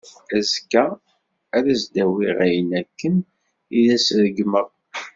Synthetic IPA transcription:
æzkæː | ɾæzd̪æwiʁæjənækːən | iðæsɾəɡməʁ

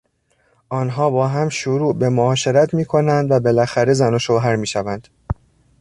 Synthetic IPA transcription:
ʔɒːnɦɒːbɒːɦæmʃoɾuːbe̞moɒːʃe̞ɾæt̪ʰmiːkʰo̞nænd̪væbe̞læxæɾe̞zænoʃoɦæɾmiːʃævænd̪̥

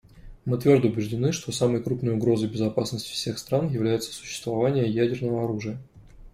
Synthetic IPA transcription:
mɨt̪vʲo̞rd̪əʊbʲɪʐdʲɪnɨʂt̪o̞saməjkɾupnəjʊɡɾo̞zəjbʲɪzɐpasnəsʲtʲɪ̥fsʲe̞xst̪ɾanjɪvlʲæjɪt̪sə̥sʊ̥ɕːɪ̥st̪vɐvanʲɪjəjædʲɪrnəvəɐɾuʐɨjə

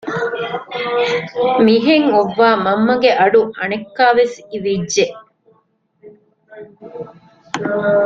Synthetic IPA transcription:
miɦeŋoʋːaːmɐmːɐɡeʔɐɖuʔɐnekːaːʋesiʋidːeʔ

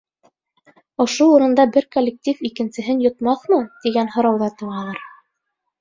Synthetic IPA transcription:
ŏʃouɾɤ̆nd̪ɑbɘɾkolʲːek̚tʲifikɘ̆nsɘ̆ɦɘnjŏt̪mɑθmɤt̪iɡænhŏɾɑwðɑt̪ɤ̆βɑlˠɤɾ

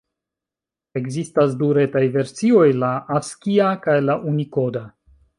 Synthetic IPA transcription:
e̞ɡzistas̬duɾe̞tajve̞ɾt͡sio̞jlaʔaskiakajlaʔuniko̞da

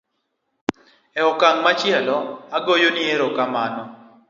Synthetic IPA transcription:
ɛɔkaŋmat͡ʃjɛlɔaɡojonieɾokamanɔ

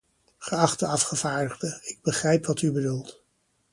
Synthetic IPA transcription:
χəɑχtəɑfχəv̥aːɹdəχdəɪɡ̚bəχrɛjpʋɑtybədulˠt

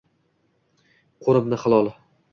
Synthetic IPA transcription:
qʰoɾɪmnɪχɨlˠɒlˠ

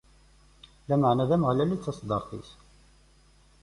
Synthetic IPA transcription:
læməʕnæðæməʁlælit͡sːɑsd̪ɑɾθḭs

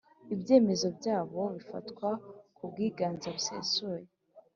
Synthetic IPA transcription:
ibje̞ːme̞zo̞bjaːβo̞βifa̰tkwakub̚ɡiːɡaːnzaβusḛːsuje

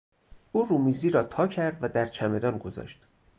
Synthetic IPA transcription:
ʔuːrumiːziːɾɒːt̪ʰɒːcʰæɾd̪væd̪æɾt͡ʃʰæme̞d̪ɒːnɡozɒ̰ːʃt̪

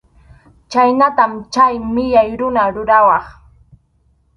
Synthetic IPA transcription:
t͡ʃajnat̪amt͡ʃajmɪʎajɾʊnaɾʊɾawɑχ

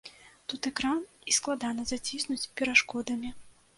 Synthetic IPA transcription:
t̪ut̪ɛkɾanisklˠad̪anɐzat͡sʲisnut͡sʲpʲɛɾaʂkɔd̪ɐmʲi

